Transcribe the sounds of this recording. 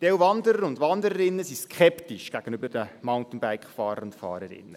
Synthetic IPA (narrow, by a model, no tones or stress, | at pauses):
tɛwvɑndəɾəɾʊndʋɑnd̪əɾəɾɪnːəsiskʰχɛptiʃɡ̥æɡ̥ənybədəmaʊntn̩bæɪkχfɑːɾəɾʊntfɑ̰ːɾəɾɪ̰nːə